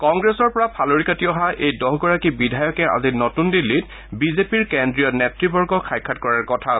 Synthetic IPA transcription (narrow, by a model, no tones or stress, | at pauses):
kɔŋɡɹesɔɹpɔɹapʰaloɹikatiɔɦaʔejdɔɦɡɔɹakibidʱajɔkɛa̰zinotundilːit | bizepiɹkɛndɹijɔtnɛtɹibɔɹɡɔkʰajkʰːatkɔɹaɹkɔtʰa